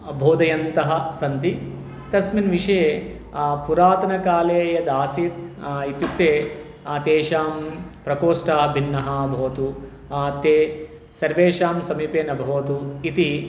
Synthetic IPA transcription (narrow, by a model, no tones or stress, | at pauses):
bʱoːd̪ɐjɐnt̪ɐɦɐsɐnt̪i | t̪ɐsminʋiʂɐje | puɾaːt̪ɐnɐkaːleːjɐd̪aːsit̪̚it̪jut̪ːeː | t̪eːʃaːmpɾɐkoːʂʈaːbʱinːɐɦɐbʱɐʋɐt̪uː | t̪ːeː | sɐɾʋeːʃaːmsɐmiːpeːnɐbʱɐʋɐt̪uit̪i